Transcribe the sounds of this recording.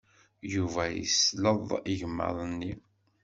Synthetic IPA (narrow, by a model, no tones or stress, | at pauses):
juvæjḭsləðˤiʝəmːə̰ðˤənːi